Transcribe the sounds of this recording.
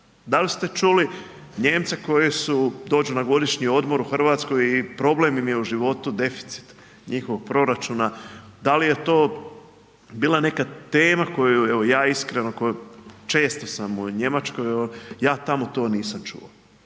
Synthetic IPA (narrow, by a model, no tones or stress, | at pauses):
d̪alist̪e̞t͡ʃuli | ɲe̞ːmt̪seko̞jesud̪o̞ːd͡ʒunaɡo̞d̪iʃɲio̞d̪mo̞ɾuxr̩ʋaːt̪sko̞jipɾo̞blemjimje̞uʒiʋo̞t̪ud̪e̞fi̥t̪si̥t̪ | ɲʔixoʋo̞ɡ̚pɾo̞ɾat͡ʃunad̪alije̞t̪o̞ː | biːlˠane̞kat̪eːmako̞jueʋo̞jaːiskɾenokojut͡ʃe̞ːst̪o̞samuɲe̞mat͡ʃko̞jeojaːt̪amo̞t̪o̞ːniːsamt͡ʃṵo